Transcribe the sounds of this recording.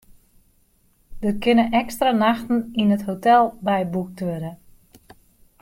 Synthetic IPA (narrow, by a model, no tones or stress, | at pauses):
d̥ət̚kʰɪnəʔɛkstranaxtn̩inəthotɛlˠbɛjbuk̚tʋøɾə